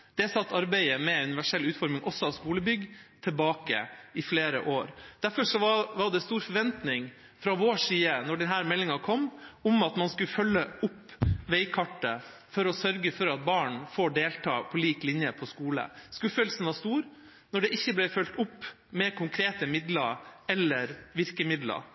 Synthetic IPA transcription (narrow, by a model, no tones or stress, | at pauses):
d̪̥ɛsɑt̪ːɑɾbæɪəmɛʉnɪʋæʂɛlːʉːt̪fɔɾmɪŋʔɔsːɔɑʋskuːləbʏɡt̪ʰɛlbɑːkə̰ɪfleːɾə̰ʔoːɾd̪̥æɾfɔʂɔɑʋɑɖ̪ɛst̪uːɾfɔɾʋɛnt̪nɪŋ | fɾɑʋoːʂiːənɔɖɛnɦæːɾmɛlːɪŋɑkʰɔmːʊmɑt̪mɑnskʉfœlːəʊpːʋeɪkʰɑʈːə | fɔɾɔsœɾɡəfɔɾɑt̪̚bɑːɳfoːɖeːlt̪ʰɑ̰ːpʰɔliːklɪnjəpʰɔskuːlə̰skʉfœlsən̩ʋɑːst̪uːɾ | nɔɖɛʔɪçːəblɛɪfœlt̪ʊpː | mɛkʰʊŋkʰɾeːt̪əmɪd̪ləɾɛlːəɾʋɪɾkəmɪd̪lɑ̰ɾ